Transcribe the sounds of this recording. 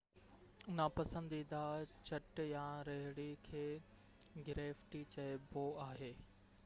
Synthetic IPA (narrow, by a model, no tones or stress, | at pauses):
ʊnapɐsə̃nd̪id̪at͡ɕɐʈjãːɾɐɦɪɽikʰeː | ɡɪɾeːfʈit͡ɕɐboaːɦeː